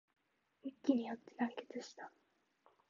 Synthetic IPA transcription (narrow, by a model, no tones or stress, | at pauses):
mikʲːiɲ̟ijat̪ːe̞nãŋke̞̥t͡sɨɕi̥t̪ḁ